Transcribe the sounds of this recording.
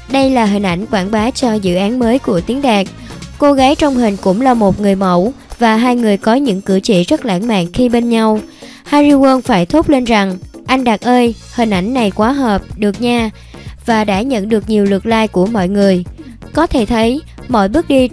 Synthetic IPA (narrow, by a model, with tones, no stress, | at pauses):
ɗə˧jlaː˨˩ɦï̟˨˩ʔa˧˩jŋ̟kwaː˧˩nɓaː˨˦t͡ɕɔ˧zɨ̰˧˨ʔaː˨˦nməː˨˦jku˧˩ət̪i˨˦ŋɗaː˨˩k̚ko˧ɣaː˨˦jt͡ɕɔ˧wŋ͡mɦï˨˩ŋ̟kʊ̰˧˥ŋ͡mlaː˨˩mo˨˩t̚ŋɨ˨˩əjmə̰˧˩wvaː˨˩ɦaː˧jŋɨ˨˩əjkɔ˨˦ɲɨ̰˧˥ŋkɨ˧˩t͡ɕḭ˧˨zə˦˥t̚la̰ː˧˥˩ŋma̰ː˧˨nxi˧ɓe˧nɲa˧w | haː˧jzi˧wəː˧nfaː˧˩jt̪ʰo˦˥k͡p̚le˧nza˨˩ŋʔa˧jŋ̟ɗa˨˩k̚ʔəː˧j | hï̟˨˩ʔa˧˩jŋ̟na˨˩jkwaː˨˦ɦəː˨˩p̚ɗɨ˨˩ək̚ɲaː˨˩ | vaː˨˩ɗa̰ː˧˥ɲə̰˧˨nɗɨ˨˩ək̚ɲi˨˩əwlɨ˨˩ək̚laː˧jku˧˩əmɔ̰˧˨jŋɨ˨˩əj | kɔ˨˦t̪ʰe˧˩t̪ʰə˨˦j | mɔ̰˧˨jɓɨ˦˥ək̚ɗi˧